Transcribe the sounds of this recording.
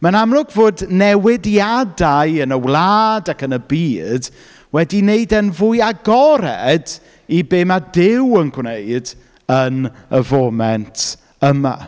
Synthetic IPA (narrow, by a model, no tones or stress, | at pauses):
manamlˠʊɡvoːdnɛwɪdjadaɨənəwlˠaːdakənəbiːd̥ | wɛdineɨdənvʊjaɡɔɾɛd | ibeːmadɪwənɡwneɨd | ənəvoːmɛntʰ | əma̰